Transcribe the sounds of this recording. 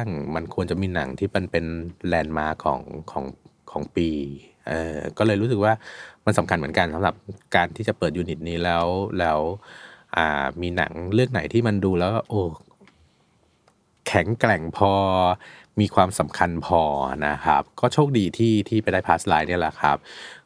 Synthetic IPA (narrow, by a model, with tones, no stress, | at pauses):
a˥˩ŋma˧nkʰu˧ənt͡ɕa˨˩miː˧na̰˩˦ŋt̪ʰiː˥˩pe˧npe˧nlɛː˧nmaː˧˥kʰɔ̰ː˩˦ŋkʰɔ̰ː˩˦ŋkʰɔː˩˦ŋpiː˧ | ʔɤː˧kɔː˥˩lɤː˧jɾu˦˥ɯ˨˩k̚waː˥˩ma˧nsa˩˦mkʰa˧nmɯ˩˦nka˧nsa˩˦mɾa˨˩p̚kaː˧nt̪ʰiː˥˩t͡ɕa˨˩pɤː˨˩t̪̚juː˧ni˨˩t̪̚niː˦˥lɛː˦˥wlɛː˦˥wʔa̰ː˨˩miː˧na̰˩˦ŋɾɯ˥˩əŋna̰˩˦jt̪ʰiː˥˩ma˧nduː˧lɛː˦˥wkɔː˥˩ʔoː˧˩ | kʰɛ˩˦ŋklɛ˨˩ŋpʰɔː˧ | miː˧kʰwaː˧msa˩˦mkʰa˧npʰɔː˧na˦kʰa̰˦˥p̚kɔː˥˩t͡ɕʰoː˥˩k̚diː˧t̪ʰiː˥˩t̪ʰiː˥˩pa˧jdaː˥˩pʰaː˦˥slaː˦˥jni˥˩ɐla˨˩kʰa̰˦˥p̚